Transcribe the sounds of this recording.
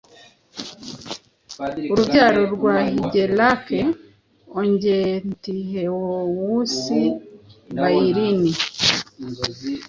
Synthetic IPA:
uɾubɟaːɾo̞ɾɡwahiɟelake | oɲɟentiɦewowusi | baiɾini

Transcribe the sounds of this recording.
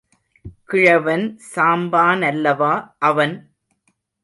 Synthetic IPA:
kɪɻɐʋɐnsaːmbaːnɐlːɐʋaːʔɐʋɐn

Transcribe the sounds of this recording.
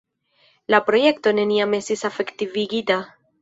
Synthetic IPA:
lapɾo̞je̞kto̞ne̞niame̞stisafe̞ktiviɡita

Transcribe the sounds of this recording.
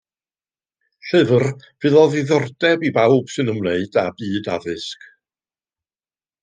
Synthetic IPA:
ɬɨvərv̥ɨðɔðiðɔrdɛbibawb̥sɨnəmlˠeɨd̥abɨːdaðɨsk

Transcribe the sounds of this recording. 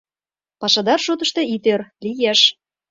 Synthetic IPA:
pɑʃɑd̪ɑrʃut̪ə̆ʃt̪ĕit̪ørlijeʃ

